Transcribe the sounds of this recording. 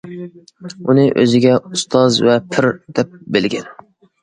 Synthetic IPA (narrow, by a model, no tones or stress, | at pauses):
unɪʔø̰zɪɡʲɛust̪ʰɑzvɛpʰɪɾd̪̥ɛp̚belɡʲɛn